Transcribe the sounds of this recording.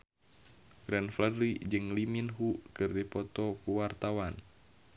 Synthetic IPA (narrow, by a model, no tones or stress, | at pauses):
ɡ̥ɾanfləɾid͡ʒɨŋliminɦukɨrdipɔt̪ɔkuwart̪awan